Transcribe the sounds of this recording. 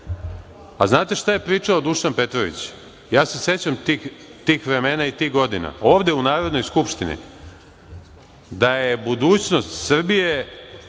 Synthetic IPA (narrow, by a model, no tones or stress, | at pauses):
aznaːt̪e̞ʃt̪aje̞pɾiːt͡ʂaod̪uʃanpe̞t̪ɾoʋḭt͡ɕ | jaːse̞se̞t͡ɕamt̪ixt̪iːxʋɾe̞meːnait̪iːɣɡo̞d̪ina̰o̞ːʋd̪e̞unaːɾo̞d̪no̞jskupʃt̪inḭ | d̪ajebud̪uːt͡ɕno̞st̪sr̩bije̞